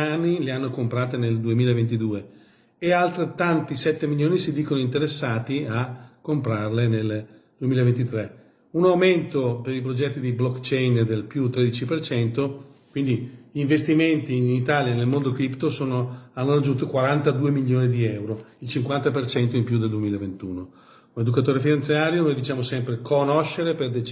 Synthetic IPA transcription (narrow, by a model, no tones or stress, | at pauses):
anːileanːokompɾaːt̪eneld̪uemiːlaevent̪̬id̪uːe | ealt̪ɾet̪ːant̪isɛt̪ːemiljoːnisid̪iːkonoint̪eɾesːaːt̪iakːompɾarlenel | d̪̥uemilavent̪it̪ɾɛ | unawment̪opeɾipɾod͡ʒɛt̪ːid̪iblɔkːt͡ʃɛjnd̪elpjut̪ːɾed̪it͡ʃipert͡ʃɛnt̪okwind̪iʎiːɱvest̪iment̪init̪aːljanelmond̪okɾipt̪osoːnoanːoɾad͡ʒːunt̪okwaɾant̪ad̪uːemiʎjoːnid̪iɛwɾoilt͡ʃiŋkwant̪apert͡ʃɛnt̪oimpjud̪eld̪uemiːlaevent̪uːno | uned̪ukat̪oːɾefinãnt̪sjaːɾjonoːjd̪it͡ʃaːmosɛmpɾekonoʃːeɾeperd̪e